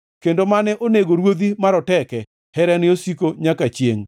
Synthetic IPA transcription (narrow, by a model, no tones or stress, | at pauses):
kendomanɛʔoneɡoɾwod̪imaɾɔtɛkɛ | hɛɾɛnɪosikoɲakat͡ʃjḛŋ